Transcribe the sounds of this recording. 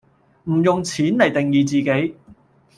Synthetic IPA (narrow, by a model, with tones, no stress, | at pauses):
m̩˨˩jʊ˨ŋt͡sʰiː˨˥nlɐ˨˩jt̪ɪ˨ŋjiː˨˧t͡siː˨ke˨˥j